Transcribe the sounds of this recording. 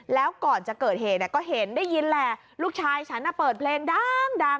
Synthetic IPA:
lɛː˦˥wkɔː˨˩nt͡ɕa˨˩kɤː˨˩t̪̚ɦeː˨˩ni˧˩kɔː˥˩ɦe˨˦ndaː˥˩jːi˧nlɛː˧ | luː˥˩k̚t͡ɕʰaː˧jt͡ɕʰa˦˥nːa˧˩pɤː˨˩t̪̚pʰleː˧ŋdaː˥˩ŋda˧˩ŋ

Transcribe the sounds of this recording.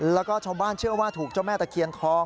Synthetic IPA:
lɛː˦˥wkɔː˥˩t͡ɕʰaː˥˩wbaː˥˩nt͡ɕʰɯ˥˩ɐwaː˥˩t̪ʰuː˨˩k̚t͡ɕa˥˩wmɛː˥˩t̪ɛː˨˩kʰi˧ənkʰɔː˦˧˥ŋ

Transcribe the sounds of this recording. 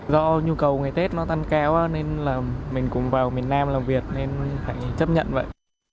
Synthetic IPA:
zɔ˧ɲu˧kə˨˩wŋɨ˨˩jt̪e˦˥t̚nɔ˨˦t̪a˧ŋkaː˨˦waː˨˧˦ne˧nlaː˨˩mï˨˩ŋ̟kʊ̰˧˥ŋ͡mvaː˨˩wmi˨˩ənːaː˧mlaː˨˩mvi˨˩ət̚ne˧nfaː˧˩jt͡ɕə˦˥p̚ɲə̰˧˨nvə̰˧˨j

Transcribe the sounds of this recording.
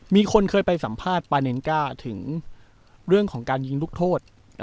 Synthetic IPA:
miː˧kʰo˧nkʰɤː˧jpa˧jsa˩˦mpʰaː˥˩t̪̚paː˧ne˧nkaː˥˩t̪ʰɯ˩˦ŋ | ɾɯ˥˩əŋkʰɔː˩˦ŋkaː˧nji˧ŋluː˦˥˩k̚t̪ʰoː˥˩t̪̚

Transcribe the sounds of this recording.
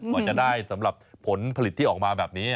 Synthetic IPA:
kaː˧˩t͡ɕa˨˩ʔdaː˥˩jsa˩˦mɾa˨˩p̚ʰːo˩˦npʰa˧li˨˩t̪ʰːiː˥˩ʔɔː˨˩k̚maː˧bɛː˨˩p̚niː˦˥˩

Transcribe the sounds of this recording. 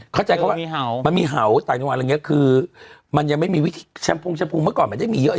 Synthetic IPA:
kʰɔː˥˩t͡ɕa˧ka˦˥pwa˥˨˩ma˧nmiː˧ɦa˩˦wt̪aː˨˩ŋt͡ɕŋwaː˧˨lŋi˦˥ɐ˥kʰɯː˧ma˧nja˨ŋma˥˩jmiː˧wi˦˥t̪ʰiː˧t͡ɕʰa˦˥mpʰo˧ŋt͡ɕʰa˧˥pʰu˧ŋma˥˩kɔː˨˩nma˧˨nt͡ɕa˥˩jmiː˧jʔ

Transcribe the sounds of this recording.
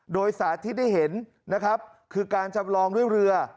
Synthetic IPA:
doː˧jsaː˩˦t̪ʰiː˥˩da˥˩jɦe˩˦n | na˦˥kʰɾa˦˥p̚ | kʰɯː˧kaː˧nt͡ɕʰa˧mlɔː˧ŋdu˥˩əjɾɯ˧ɐ

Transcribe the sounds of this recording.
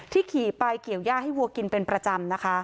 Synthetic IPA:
t̪ʰiː˥˩kʰiː˨˩˦pa˧jki˨˩əwjaː˥˩ɦa˥˩jwu˧ɐki˧npe˧npɾa˧t͡ɕa˧mna˦˥kʰa˦˥

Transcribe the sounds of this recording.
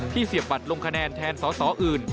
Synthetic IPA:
t̪ʰiː˥˩si˨˩əp̚ba˨˩t̪̚lo˧ŋkʰa˧nɛː˧nt̪ʰɛː˧nsɔː˩˦˥sɔː˩˦ʔɯː˨˩n

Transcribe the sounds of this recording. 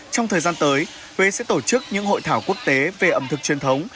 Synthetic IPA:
t͡ɕɔ˧wŋ͡mt̪ʰəː˨˩jzaː˧nt̪əː˨˦j | hwe˨˦sɛ̰˧˥t̪o˧˩t͡ɕɨ˦˥k̚ɲɨ̰˧˥ŋɦo̰˧˨jt̪ʰaː˧˩wku˦˥ək̚t̪e˨˦ve˨˩ʔə˨˩mt̪ʰɨ˨˩k̚t͡ɕwi˨˩ənt̪ʰə˨˦wŋ͡m

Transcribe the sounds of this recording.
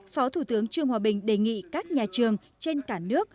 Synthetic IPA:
fɔ˨˦t̪ʰu˧˩t̪ɨ˨˦əŋt͡ɕɨ˧əŋhwaː˨˩ɓï˨˩ŋ̟ɗe˨˩jŋḭ˧˨kaː˦˥k̚ɲaː˨˩t͡ɕɨ˨˩əŋ | t͡ɕe˧nkaː˧˩nɨ˦˥ək̚

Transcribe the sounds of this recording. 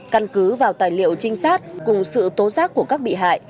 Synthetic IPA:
ka˧nkɨ˨˦vaː˨˩wt̪aː˨˩jlḭ˧˨əwt͡ɕï˧ŋ̟saː˦˥t̚kʊ˨˩ŋ͡msɨ̰˧˨t̪o˨˦zaː˦˥k̚ku˧˩əkaː˦˥k̚ɓḭ˧˨ɦa̰ː˧˨j

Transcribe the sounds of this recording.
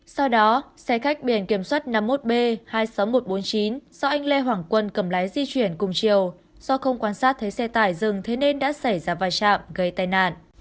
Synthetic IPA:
sa˧wɗɔ˨˦sɛ˧xa˦˥jk̟̚ɓi˧˩ənki˧˩əmswaː˦˥t̚na˧mːo˦˥t̚ɓe˧haː˧jsa˨˦wmo˨˩t̚ɓo˨˦nt͡ɕi˨˦nzɔ˧ʔa˧jŋ̟le˧ɦwaː˧˨˩ŋkwə˧nkə˧˩mlaː˨˦jzi˧t͡ɕwi˧˩ənkʊ˨˩ŋ͡mt͡ɕi˨˩əw | z̥ɔ˧xə˧wŋ͡mkwaː˧nsaː˦˥t̚t̪ʰə˨˦jsɛ˧t̪aː˧˩jzɨ˨˩ŋt̪ʰe˨˦ne˧nɗa̰ː˧˥sa˧˩jzaː˧˩vaː˨˩t͡ɕa̰ː˧˨mɣə˧˩jt̪aː˨˩jna̰ː˧˨nʔ

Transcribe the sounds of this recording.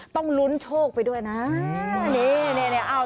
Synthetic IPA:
t̪ɔ˥˩ŋlu˦˥nt͡ɕʰoː˥˩k̚pa˧jdu˥˩əjna˦˥ni˦˥nɛː˧˩ne˧˩ʔa˧˩

